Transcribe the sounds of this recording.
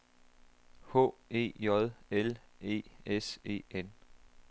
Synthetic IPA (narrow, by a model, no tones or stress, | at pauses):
ho̰ːe̝̰ːjɒðˠele̝̰ːese̝̰ːen